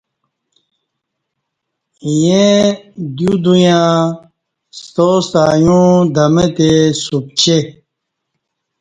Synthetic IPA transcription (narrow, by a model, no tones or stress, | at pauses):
jẽ | d̪jud̪ujã | st̪ost̪aːjũd̪ɐmet̪esup̚t͡ɕe